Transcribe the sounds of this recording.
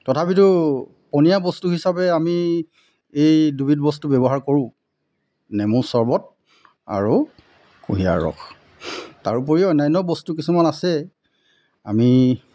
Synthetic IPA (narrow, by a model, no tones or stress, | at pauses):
tɔtʰapitʊ | pɔnijabɔstuɦisabɛami | ejdubitbɔstubɛbɔɦaɹkoɹʊ̃ | nɛmulsɔɹbɔt̚ | a̰ɹu | kuɦija̰ɹɔ̰x | taɹup̬ɔɹiɔjnajnːɔbɔstukisumanasɛ | a̰mi